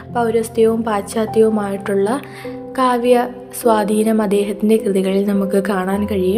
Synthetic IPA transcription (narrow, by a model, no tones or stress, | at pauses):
pɐwɾɐst̪jɐʋumpaːtɕaːt̪jɐʋumaːjiʈːuɭːɐ | kaːʋjɐ | swaːd̪ʱiːnɐmɐd̪ːe̞ːɦɐt̪ːinde̞krɨðiɣɐɭilnɐmukːɨkaːɳaːnkɐɻijum